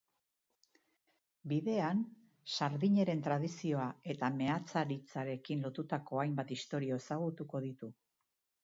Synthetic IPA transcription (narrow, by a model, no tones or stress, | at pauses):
biðe̞an | saɾðiɲe̞ɾe̞nt̪ɾað̞isio̞ae̞t̪ame̞at͡saɾit͡saɾe̞kinlo̞t̪ut̪ako̞ajmbat̪ist̪o̞ɾio̞e̞saɣut̪uko̞ðit̪u